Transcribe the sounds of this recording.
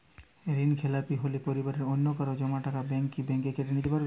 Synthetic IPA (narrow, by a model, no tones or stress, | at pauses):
ɾinkʰelapiɦolepoɾibaɾeɾonːokaɾod͡ʑɔmaʈakabɛŋkibɛŋkekeʈenit̪epaɾbe